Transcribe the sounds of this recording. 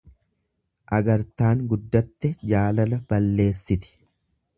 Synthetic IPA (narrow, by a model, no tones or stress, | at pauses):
ʔɐɡɐɾt̪aːŋɡʊd̪ːɐt̪ːɛd͡ʒaːlɐlɐb̥ɐlːe̞ːsːɪt̪ɪ̥